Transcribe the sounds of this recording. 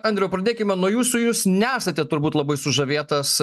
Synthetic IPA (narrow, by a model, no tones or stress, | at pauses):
ɐnʲd̪ʲɾʲɛjʊpɾɐd̪ʲeːkʲɪmʲɛnuɔjuːsʊjuːsnʲæːsɐt̪ʲɛt̪ʊɾbuːt̪lˠɐbɐɪsʊʒɐʋʲeːt̪ɐs